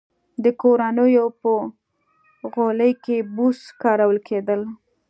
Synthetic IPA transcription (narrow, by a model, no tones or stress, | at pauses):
d̪əkoɾanəjopə | ɣoləjkebuskɑɾawəlkʰed̪əl